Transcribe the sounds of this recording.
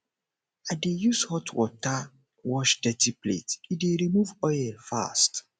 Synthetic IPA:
adejushɔtwɔ̰ta | wɔʃdɛtiplḛtideɾimuvɔɛlfa̰st

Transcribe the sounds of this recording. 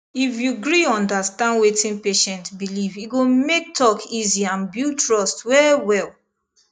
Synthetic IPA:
ifjuɡɹiɔ̃ndastãndwetĩnpeʃɛ̃ntbiliviɡomek̚tʰɔkʰiziãnbjutɹɔstwɛwɛl

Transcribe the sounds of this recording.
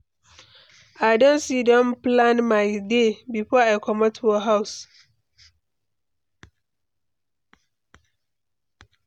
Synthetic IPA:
aɪdõnsidɔ̃mplãnmaɪdebifɔakʰɔmatʰwɔɦaʊs

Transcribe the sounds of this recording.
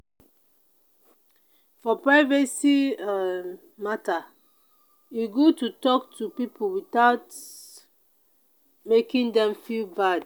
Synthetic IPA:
fɔpɹaɪvɛsi | mata | juɡotutɔktʰupipʰulwitaʊt | mekĩndɛ̃mfilbad

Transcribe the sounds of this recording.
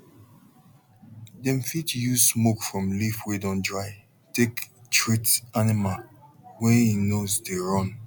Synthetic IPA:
dɛ̃mfitjuzsmokfɹɔ̃mlifwedɔ̃ndɹaɪ | tektʰɹitanɪmalwɛinozdeɹɔ̃n

